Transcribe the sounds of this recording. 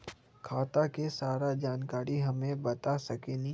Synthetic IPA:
kʰaːt̪akesaːɾad͡ʒaːnkaːɾiɦɐmẽbɐt̪asɐkenĩ

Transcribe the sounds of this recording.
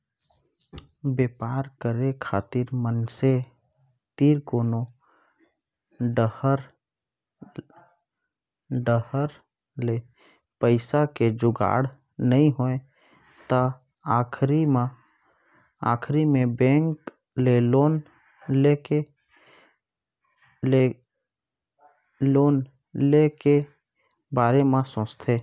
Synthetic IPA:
beːpaːɾkəɾekʰa̰ːt̪ɪɾmənse | t̪iːɾkoːno | ɖəhəɾ | ɖəhəɾ | le | pəɪsaked͡ʒʊɡa̰ːɽ | nəɦĩɦoẽ | t̪a | aːkʰɾimã | a̰ːkʰɾimẽbɛ̃ːŋk | leloːn | lee | loːn | leke | baːɾemãsõːt͡ʃt̪ʰeː

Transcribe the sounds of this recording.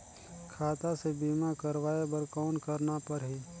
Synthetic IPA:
kʰaːt̪asebiːmakəɾʋaːebəɾkɔːnkəɾnapɐɾɦiː

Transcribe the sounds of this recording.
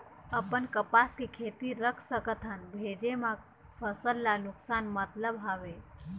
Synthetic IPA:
əpənkəpaːskikʰeːt̪iɾəkʰsəkət̪ʰɦanbʱeːd͡ʒemã | fəsəlːanʊksaːnmət̪ləbɦaːʋe

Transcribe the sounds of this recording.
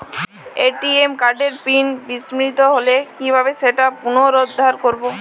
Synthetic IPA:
eʈiemkaɾɖeɾpinbismɾit̪oɦolekibʱabeʃeʈapunoɾod̪ʱːaɾkoɾbo

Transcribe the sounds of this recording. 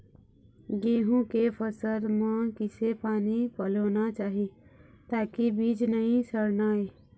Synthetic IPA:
ɡẽːɦũkepʰəsəd̪maːkɪsepaːnipəloːnat͡ʃaːɦit̪aːkibiːd͡ʒnəɦĩsəɾnaeː

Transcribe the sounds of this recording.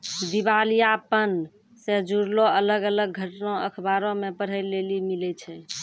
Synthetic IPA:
d̪ibalijapən | sed͡ʒuɾloələɡələɡ̚ːʱəʈnõəkʰbaɾõmepəɽ̤əlːelimilɛt͡ʃʰɛ

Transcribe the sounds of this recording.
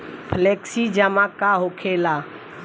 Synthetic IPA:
pʰleksid͡ʒəmakaɦokʰela

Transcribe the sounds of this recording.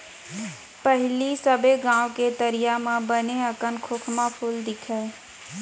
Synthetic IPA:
pəɦɪlisəbʱeɡãːwket̪əɾijamãbəneəkənkʰʊkʰmãpʰʊld̪ɪkʰɛː

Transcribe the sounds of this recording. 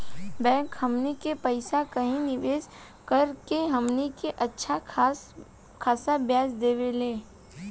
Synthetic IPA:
bɛ̃ːŋkhɐmnikepɐɪsakɐɦĩnɪʋeːs | kɐɾkeɦɐmnikeʔɐtːʃʰa | kʰaːsabjaːsd̪eːʋeleː

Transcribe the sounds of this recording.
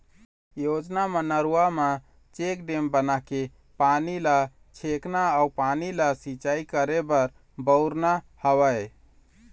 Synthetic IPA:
jod͡ʒnamənəɾuama | t͡ʃek̚ɖembənake | panila | t͡ʃʰeknaaupanilasit͡ʃaikəɾebəɾ | bəɾna | həwəj

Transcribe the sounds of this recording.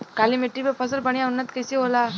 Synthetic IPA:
kaːlimeʈːibepʰəsəlbəɳ̃ijaʊnːət̪kəsiɦola

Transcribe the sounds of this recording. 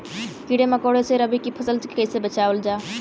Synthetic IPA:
kiɽeməkoːɽeseɾəbikipʰəsəlt͡ʃkəɪsebət͡ʃaːʋəld͡ʒaː

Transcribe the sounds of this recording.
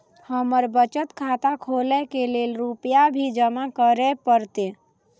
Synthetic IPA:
həməɾbət͡ʃət̪kʰat̪akʰolɛkelelɾupjabʱid͡ʒəmakəɾɛpəɾt̪e

